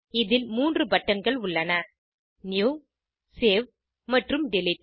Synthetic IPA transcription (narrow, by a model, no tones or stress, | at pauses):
ɪðɪlmuːndrɯbɐʈːɐnɡɐɭʊɭːɐnɐ | njuː | seːʋ | mɐʈrɯmɖɪlɪʈ̚